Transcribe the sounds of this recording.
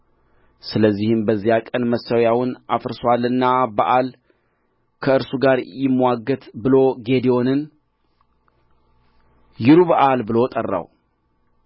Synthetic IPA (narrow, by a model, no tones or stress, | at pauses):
sɨləzːihɨmbəzːijakʼənməsawjawʊna̰fɨɾswalːɨnːabəʔal | kʰəɨɾsuɡaɾjɪmːwaɡːət̪bɨlo̞ɡe̞d̪ejo̞nɨn | jɪɾuβəʔalbɨlo̞t̪ʼərːa̰w